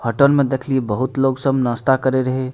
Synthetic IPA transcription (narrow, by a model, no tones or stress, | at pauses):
hʰəʈənmẽd̪eːkʰliebəɦʊt̪loːɡsəbnəst̪akəɾeɾəɦe